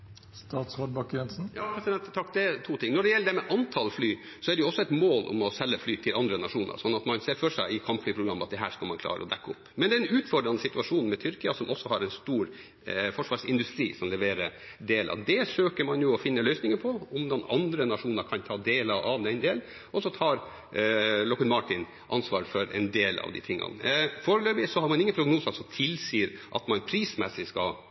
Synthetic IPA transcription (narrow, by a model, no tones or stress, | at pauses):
st̪ɑːt̪sʋɑɖbɑkɾɛnsn̩jɑːpʰɾɛsɪd̪ɛnt̪t̪ʰɑkːd̪ɛɛt̪ʰuːt̪ʰɪŋːnɔɖɛjɛlːəɖ̪ɛmɛʔɑnt̪ʰɑlflyː | sɔæɖɛjʊɔsːɔɛɪt̪moːlʔʊ̰mɔsɛlːəflyːt̪ʰɪlɑnd̪ɾənɑʂuːnə̰ɾsɔnːɑt̪mɑnseːɾfɔʂæɪɪkʰɑmpflyːpɾʊɡɾɑmːɑt̪̚d̪ɛɦæ̰ːʂkɑlmɑnkʰlɑ̰ːɾə̰ɔ̰d̪ɛkːəʊpːmɛnd̪ɛɾɛnʉːt̪fɔɖɾɑnəsɪt̪ʉɑʂuːnmɛt̪ʰʏɾkɪəsɔmɔsːɔhɑɾɛnst̪uːɾ | fɔʂʋɑːʂɪnd̪ʉst̪ɾiːsɔmlɛʋeːɾəɾ | d̪eːlʔɑ̰ʋd̪ɛʂøːkəɾmɑnjʊɔfɪnːəlœʏsnɪŋəɾpʰɔʊmd̪ɑnɑ̰nd̪ɾənɑʂuːnəɾkʰɑnt̪ʰɑːd̪eːləʔɑʋd̪ɛnd̪eːl | ʔɔsɔt̪ʰɑːɾ | lɔkənmɑʈɪn | ʔɑnsʋɑːɾfɔɾɛ̰nd̪eːlɑ̰ʋd̪ɪ̰t̪ʰɪŋːɑ̰nfoːɾəløːbɪsɔhɑɾmɑnɪŋːənpʰɾʊɡnuːsɑsɔmt̪ʰɪlsiːɾʔɑ̰t̪mɑnpʰɾiːsmɛsɪskɑ